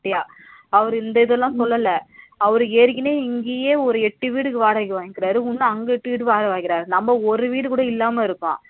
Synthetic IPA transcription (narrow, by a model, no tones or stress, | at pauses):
ɐjaː | ɐʋɐɾɯɪnd̪ɐɪðɛlːãːsɔlːɐlːɐɐʋɐɾɯeːɾkɪneːɪŋɡeːjeːɔɾɯɛʈːɯʋiːɽɯkːɯʋaːɽɐkɯʋaːŋɪkːɪɾaːɾɯʊnːɯɐŋɡɐɛʈːɯʋiːɽɯʋaːɽɐʋaːŋɡɪɾaːɾɯnɐmːɐɔɾɯʋiːɽɯkuːɽɐɪlːaːmɐɪɾɯkːõ̰ː